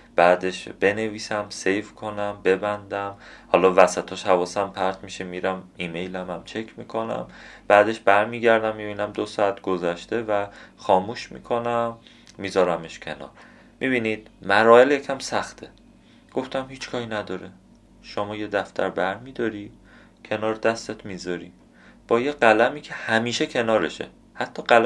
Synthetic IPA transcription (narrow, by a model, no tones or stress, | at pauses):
b̥æːd̪e̞ʃb̥e̞ne̞viːsæmse̞jfkʰonæmbe̞bænd̪æmhɒːlɒːvæsæt̪ʰɒːʃhævɒːsæmpʰæɾt̪ʰmiʃemiːɾæmiːme̞jlæmæmt͡ʃʰecʰmiːkʰo̞næ̰mb̥æːd̪e̞ʃb̥æɾmiːɟæɾd̪æmːibiːnæmd̪osɒːæt̪ʰɡozæʃt̪e̞væxɒːmuːʃmḭːkʰonæmː | iːzɒːɾæmeʃcʲʰe̞̰nɒ̰ːɾ | mʔibiːniːd̪̥̚mæɾɒːeljecʰæmsæxt̪ʰe | ɡ̥o̞ft̪ʰæmhiːt͡ʃkʰɒːhinæd̪ɒːɾe | ʃomɒːje̞d̪æft̪ʰæ̰ɾbæɾmiːd̪ɒːɾiː | cʰe̞nɒːɾd̪æst̪et̪ʰmiːzɒɾiːm | b̥ɒːjeɢælæmiːcʰe̞hæmiːʃecʰe̞nɒːɾeʃḛ | hæt̪ʰːɒːɢæl